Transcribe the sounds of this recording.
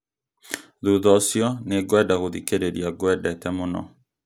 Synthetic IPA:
ðuðɔsjɔneɡwɛdaɣoðikeɾeɾiaɡwɛdɛtɛmonɔ̰

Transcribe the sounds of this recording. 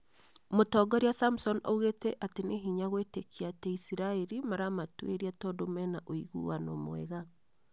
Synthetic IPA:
motɔɡɔɾeasamsɔno̰uɣetɛʔateneɦiɲaɣwetekʰiatɛisiɾaeɾimaɾamatwḛɾiatɔdomɛnaʔoiɣṵwanomo̰ɛ̰ɣa

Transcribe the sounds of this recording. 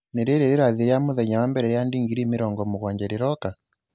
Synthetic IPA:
neɾeɾeɾeɾaðeɾeamoðɛɲawambɛɾɛjandiŋɡiɾimeɾɔŋɡɔmoɣwaɲd͡ʒɛɾeɾɔka

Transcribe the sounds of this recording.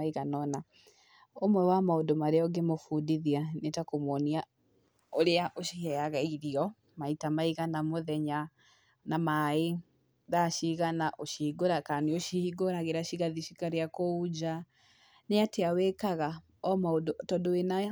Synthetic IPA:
aiɣanɔna | omwɛwamaodomaɾeɔɡemofudiðianetakomwɔnia | oɾeaʔoʃihɛaɣaiɾiɔ | maitamaiɣanamoðɛɲa | namae | ðaʃiɣanaʔoʃiɡoɾakaneoʃiɡoɾaɣeɾaʃiɣaðiʃikaɾeakoud͡ʒa | neateawɛkaɣa | ɔmaodotɔdoena

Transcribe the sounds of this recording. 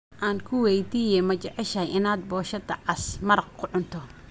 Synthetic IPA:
ʔaːnkʰʊwɛjd̪iːjɛmɐt͡ʃɛʕɛʃɐjʔɪnaːd̪̚bɔːʃɐd̪ɐʕɑsmɐɾɐqkʰʊʕʊnt̪ʰɔ

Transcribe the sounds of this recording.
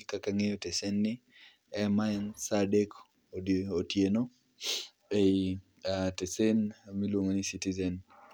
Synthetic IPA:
kakaŋejotesenːɪ | ɛmaɛnsadek | otjeno | ei | atesenmilwomonisitizɛn

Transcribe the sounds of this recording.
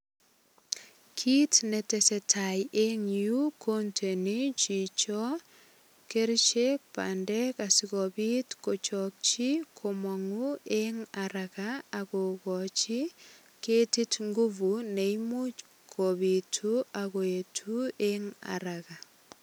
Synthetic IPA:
kʰitnɛtɛsɛtʰajʔeŋjukʰontʰenit͡ʃit͡ʃɔ | keɾt͡ʃek̚pa̰ndɛkasɪkɔbitkɔt͡ʃɔk̚t͡ʃikʰɔmɔŋueŋaɾakaːkɔkɔt͡ʃi | ketitŋɡuvuneimut͡ʃ | kʰɔbitʰuakɔetʰueŋa̰ɾaɣa

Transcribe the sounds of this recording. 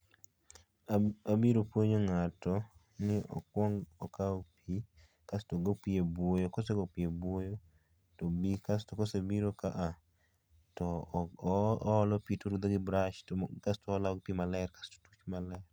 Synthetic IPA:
abiɾopwoɲoŋatɔ | nɪɔ̰kwɔŋɡɔkaopʰi | kastoɡopjebwojokoseɡopiebwojo | tobikastokosebiɾokaʔa | tɔ | lɔpitoɾud̪oɡɪbɾaʃtkastoːlaɔɡ̚pimalɛɛrkḁsto̥tu̥t͡ʃmalɛr

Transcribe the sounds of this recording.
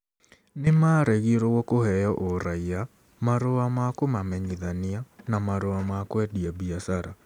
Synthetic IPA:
nemaːɾɛɣiɾoɣɔkohɛjɔʔoɾaia | maɾoamakomamɛɲiðanianamaɾoamakwɛdiaβiasaɾa

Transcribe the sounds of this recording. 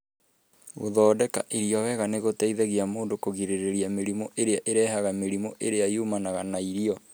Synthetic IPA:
ɣo̰ðɔːdɛka̰ʔiɾiɔwɛɣaneɣotɛiðɛɣiamoːndokoɣiɾeɾeɾjameɾimɔʔeɾeaʔeɾɛːhaɣameɾimɔʔeɾeajumanaɣanaiɾiɔ

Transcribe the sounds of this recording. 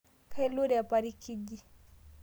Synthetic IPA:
kʰailuɾɛjapaɾikʰid͡ʒi

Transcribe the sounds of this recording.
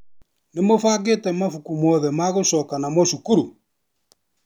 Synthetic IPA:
nemofaːɡetɛmafukumɔðɛmaɣoʃɔːkanamoʃukuɾu

